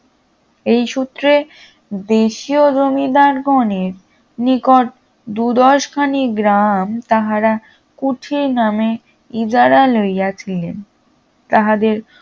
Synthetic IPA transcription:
ejʃut̪ːɾe | d̪eʃiod͡ʑomid̪aɾɡɔneɾ | nikoʈ̚ | d̪ud̪ɔʃkʰaniɡɾamt̪aɦaɾa | kuʈʰiɾname | id͡ʑaɾalojjat͡ɕʰilḛn | t̪aɦad̪eɾ

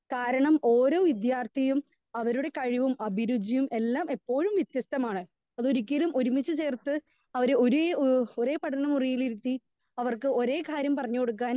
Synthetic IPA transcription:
kaːɾɐɳɐmo̞ːɾo̞ːʋid̪jaːrt̪ʰijum | ɐʋɐɾuɽe̞kɐɻiʋumɐbʱiɾud͡ʑijume̞lːaːmepːo̞ːɻumʋjit̪jɐst̪ɐmaːɳɨ | ɐðo̞ɾukʲːɐlumʔo̞ɾumit͡ɕːɨt͡ɕe̞ːrt̪ɨ | ɐʋɐɾeoɾueːoɾe̞ːpɐʈʰɐnɐmurijiliɾut̪ːi | ɐʋɐrkɨo̞ɾe̞ːkaːɾjɐmpɐrɐɲːuko̞ɽukːaːn

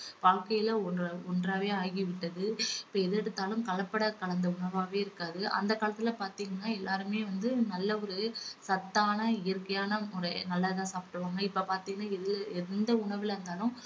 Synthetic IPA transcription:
ʋaːɻkɐjɪlɐɔɔndraːʋeːaːɣɪʋɪʈːɐðɯɪpːoːɛðɛɽɯt̪ːaːlɯmkɐɭɐpːɐɽɐkɐɭɐnd̪ɐʊɳɐʋaːʋeːɪɾɯkːaːðɯʔɐ̰nd̪ɐkaːlɐt̪ːɪlɐpaːɾt̪iːŋɡɐnːaːɛlːaːɾɯmeːʋɐnd̪ɯnɐlːɐɔɾɯsɐt̪ːaːnɐɪjɐɾkɐjaːnɐmʊɾɐnɐlːɐðãːsaːpɪ̥ʈːɯʋaːŋɡɐɪpːopaːɾt̪iːŋɡɐnːaːɪðɪlɛnd̪ɐʊɳɐʋɪlɾɯnd̪aːlɯ̃m

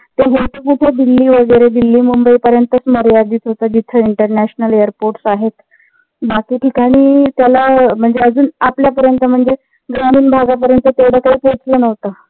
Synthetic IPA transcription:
t̪eɦet̪əpuʈʰad̪ilːiːʋəɡəjɾed̪ilːiːmumbəiːpəɾjənt̪əsməɾjad̪iːt͡s̪ʰɦot̪əd͡ʑit̪ʰəiɳʈəɾnæɕnəlejəɾpoɾʈsaɦet̪ | bakiːʈʰikaɽ̃iːt̪jalam̤əɳd͡zeəd͡zuːnapljapəɾjənt̪əm̤əɳd͡ze | ɡɾamiːnbʱaɡap̬əɾjənt̪ət̪eʋɽəkaɦiːpot͡slənəʋt̪ə

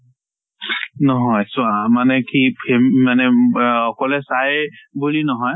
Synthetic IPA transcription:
nɔɦɔjsʊamanɛkʰipʰemmanɛɔkɔlɛsajbulinɔɦɔj

